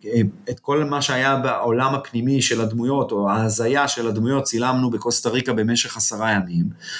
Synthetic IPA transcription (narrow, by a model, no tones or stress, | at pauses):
et̪ko̞lmaʃeajabeolamhapnimiʃe̞lad̪mujo̞toaːzajaʃe̞lad̪mujo̞t̚t͡silamnubeko̞st̪aʁikabe̞me̞ʃe̞χasaʁajamim